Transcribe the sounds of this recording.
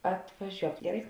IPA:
ɐtʋɐˈʒʲuɔk ɡʲɛˈrɐɪ

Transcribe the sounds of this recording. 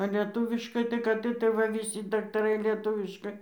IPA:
ɐ lʲiɛˈtuːʋʲɪʃkɐɪ tɐɪ kɐt ɪˈtɐɪ ˈʋɐ ʋʲɪˈsʲɪ dɐktɐˈrɐɪ lʲiɛˈtʊʋʲɪʃkɐɪ

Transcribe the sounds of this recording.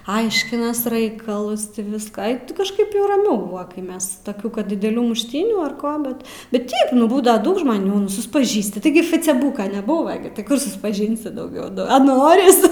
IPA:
ˈɐɪʃʲkʲɪnɐs ˈrɐɪkɐlˠʊs ˈtʲɪ ˈʋʲɪskɑː ɐɪ ˈtʲɪ kɐʃˈkɐɪp jɛʊ rɐˈmʲɛʊ ˈbʊʋɐ kɐɪ ˈmʲɛs tɐˈkʲuː ˈkɐt dʲɪdʲɛˈlʲuː mʊʃʲˈtʲiːnʲuː ɐr ˈkoː ˈbʲɛt ˈbʲɛt ˈtʲɛɪp nʊ ˈbuːdɐʋɐ ˈdɐʊk ʒmɐˈnʲuː nʊ sʊspɐˈʒʲiːsʲtʲɪ tɐɪˈɡʲɪ fɐt͡sʲɛˈbuːkɐ nʲɛˈbuːʋɐ ɡʲɪ tʲɪ ˈkʊr sʊspɐˈʒʲɪnʲsʲɪ dɐʊˈɡʲɛʊ ˈnʊ ɐ ˈnoːrʲɪs

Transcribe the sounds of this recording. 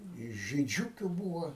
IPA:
ɪ ʒʲiːˈd͡ʒʲʊkʲʊ ˈbuːʋɐ

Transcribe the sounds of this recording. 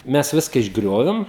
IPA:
ˈmʲɛs ˈʋʲɪskɐ ɪʒˈɡrʲoːʋʲɪm

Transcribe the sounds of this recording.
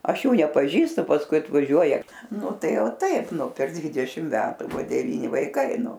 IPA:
ˈɐʃ ˈjuː nʲɛpɐˈʒʲiːstʊ pɐsˈkʊɪ ɐtʋɐˈʒʲuɔjɛ ˈnʊ ˈtɐɪ oː ˈtɐɪp nʊ pʲɛr ˈdʲʋʲɪdʲɛʃʲɪm ˈmʲæːtʊ ˈbʊʋoː dʲɛˈʋʲiːnʲɪ ʋɐɪˈkɐɪ ˈnʊ

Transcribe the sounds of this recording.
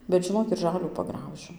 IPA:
bʲɛt ʒʲɪˈnoːk ɪr ˈʒɑːlʲuː pɐˈɡrɐʊʒʲʊ

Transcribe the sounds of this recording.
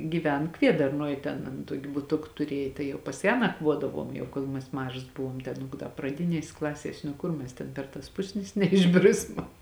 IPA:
ɡʲiːˈʋʲɛn ˈkʋʲiɛdɐrnuɔj ˈtʲɛn ɐn ˈtuɔkʲɪ bʊˈtʊk tʊˈrʲiɛj ˈtɐɪ jɛʊ pɐs ˈjæː nɐkˈʋuɔdɐʋuɔm jɛʊ ˈkoːlˠ mʲɛs ˈmɑːʒɐs ˈbʊʋuɔm tʲɛn prɐˈdʲɪnʲiɛsʲ ˈklˠɑːsʲiɛsʲ nʊ ˈkʊr ˈmʲɛs tʲɛn ˈpʲɛr tɐs ˈpʊsʲnʲɪs nʲɛɪʒʲˈbʲrʲɪsmɐ

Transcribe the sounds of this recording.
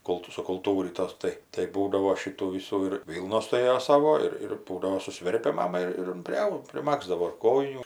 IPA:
ˈkʊlˠtʊ sʊkʊlˠˈtuːrʲiːtoːs ˈtɐɪ tɐɪ ˈbuːdɐʋoː ˈʃʲɪtuː ˈʋʲɪsuː ɪr ˈʋʲiːlˠnoːs tʊˈrʲeːjoː ˈsɑːʋoː ˈɪr ɪr ˈbuːdɐʋoː sʊˈsʲʋʲɛrʲpʲɛ ˈmɑːmɐ ɪr ˈjɪn pʲrʲɪˈɐʊ pʲrʲɪˈmɑːɡzdɐʋoː ɪr ˈkoːjɪnʲuː

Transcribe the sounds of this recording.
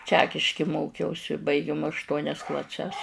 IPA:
ˈt͡ʃʲæːkʲɪʃʲkʲɪ ˈmoːkʲɛʊsʲɪ bɐɪˈɡʲɪm ɐʃˈtuɔnʲɛs klˠɐˈsʲɛs

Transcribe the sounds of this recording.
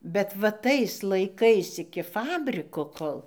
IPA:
bʲɛt ʋɐ ˈtɐɪs lˠɐɪˈkɐɪs ɪkʲɪ ˈfɑːbʲrʲɪkoː ˈkoːlˠ

